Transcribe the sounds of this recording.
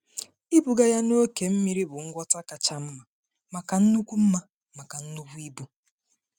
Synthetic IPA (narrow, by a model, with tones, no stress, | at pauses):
i˦bu˨ɡa˦ja˦no˦ke˨m̩˦mi˦ɾi˦bʊ˨ŋ̩˦ɡʷɔ˦ta˦ka˨t͡ʃa˦m̩˦ma˨ | ma˨ka˨n̩˦nu˦kʷu˦m̩˦ma˦ | ma˨ka˨n̩˦nu˦ku˦i˦bu˦